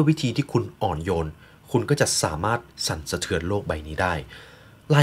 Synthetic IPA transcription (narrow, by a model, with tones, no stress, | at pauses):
ɐwi˦˥t̪ʰiː˧t̪ʰiː˥˩kʰu˧nʔɔː˨˩njoː˧n | kʰu˧nkɔː˥˩t͡ɕa˨˩ʔsaː˩˦maː˥˩t̪̚sa˩˦nsa˧t̪ʰɯ˧ənloː˥˩k̚ba˧jniː˦˥daː˥˩j | laː˧